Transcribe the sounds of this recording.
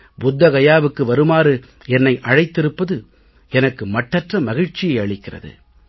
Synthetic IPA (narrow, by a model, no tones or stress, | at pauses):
bʊd̪ːɐɣɐjaːʋɯkːɯʋɐɾɯmaːɾɯ | ɛnːɐɪʔɐɻɐɪt̪ːɪɾɯpːɐðɯ | ɛnɐkːɯmɐʈːɐʈrɐmɐɣɪɻt͡ʃːɪjɐɪɐɭɪkːɪrɐ̰ðɯ̰